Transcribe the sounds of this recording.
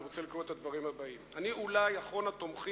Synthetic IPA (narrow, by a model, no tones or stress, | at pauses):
ʁot͡selikʁoet̪ad̪vaʁimhabaimaniulajaχo̞nat̪o̞mχi